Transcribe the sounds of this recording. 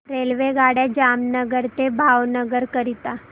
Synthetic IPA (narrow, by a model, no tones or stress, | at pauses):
ɾelʋeɡaɽjad͡ʑamnəɡəɾt̪ebʱawnəɡəɾkəɾit̪a